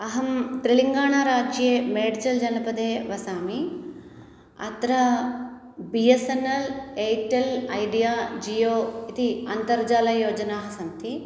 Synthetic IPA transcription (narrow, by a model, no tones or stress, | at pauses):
ɐɦɐmt̪ɾiɭiŋɡaːɳaːɾaːd͡ʒjeːmeːɖt͡ʃɐld͡ʒɐnɐpɐd̪eːʋɐsaːmi | ɐ̰t̪ɾɐ | bijesɐnɐleːjʈelɐjɖijaːd͡ʒijoːit̪iɐnt̪ɐɾd͡ʒaːlɐjoːd͡ʒɐnaːɦɐsɐnt̪ʰi